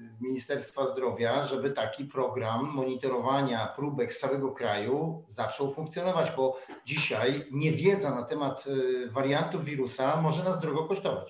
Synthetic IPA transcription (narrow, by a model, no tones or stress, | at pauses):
mʲiɲist̪ɛɾst̪fazd̪ɾɔvʲjaʐɛbɘt̪akʲipɾɔɡɾamːɔɲit̪ɔɾɔvaɲapɾubɛkssawɛɡɔkɾajuzat͡ʂɔwfũŋkt̪sʲjɔnɔvad͡ʑbɔd͡ʑiɕajɲɛvʲjɛd̪zanat̪ɛmat̪vaɾjant̪uvʲiɾusamɔʐɛnazd̪ɾɔɡɔkɔʂt̪ɔva̰t͡ɕ